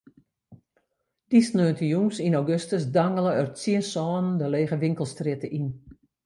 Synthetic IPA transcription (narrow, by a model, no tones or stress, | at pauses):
d̥isnøːntəjumsinɔwɡøstəsdaŋələœsiənsɔːnndəleːɣəʋɪŋkəlˠstrɪtəʔin